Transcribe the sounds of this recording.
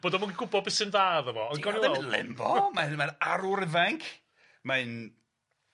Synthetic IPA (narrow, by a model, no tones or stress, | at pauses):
b̥oːdɔmaɡiɡʊbɔbɪsɪnðaːðəvɔɔðɡɔniwɛlɪ̰mvɔ̰manmanaɾʊɾəvɛŋkʰ | maɨn